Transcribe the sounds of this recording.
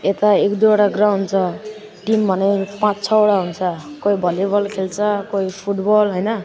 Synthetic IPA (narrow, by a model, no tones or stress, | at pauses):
et̪aekd̪ujoʈaɡrawɖnt͡sʰʌ | ʈimbʱʌnʌjpãt͡st͡sʰʌoɽaɦunt͡sʰʌkojbʱʌlibʌlkʰelt͡sʰʌkojpʰuʈbʌlɦojnʌ